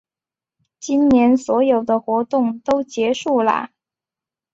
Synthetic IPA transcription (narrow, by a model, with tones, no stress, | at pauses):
t͡ɕi˥nnjɛ˧˥nswɔ˧˥jo˨˩ʊd̪ə˦xwɔ˧˥t̪ʊ˥˩ŋt̪o˥ʊt͡ɕjɛ˧˥ʂu˥˩lə̰˩